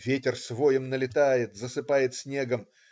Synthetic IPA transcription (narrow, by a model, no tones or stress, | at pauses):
vʲetʲɪrsvojɪmnəlʲɪt̪ajɪt̪zəsɨpajɪt̪sʲnʲe̞ɡəm